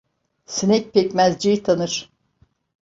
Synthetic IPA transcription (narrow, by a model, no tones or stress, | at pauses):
sinɛc̚ʲpʰɛcmæzd͡ʒijt̪ʰanɯɾ̥